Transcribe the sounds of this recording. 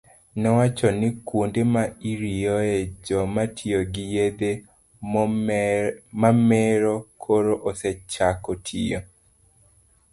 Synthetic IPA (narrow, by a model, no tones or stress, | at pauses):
nɛwat͡ʃɔnɪkundemaiɾijoed͡ʒɔmatʰioɡɪjed̪e | mamɛɾɔkʰoɾoʔosɛt͡ʃakɔtʰḭjo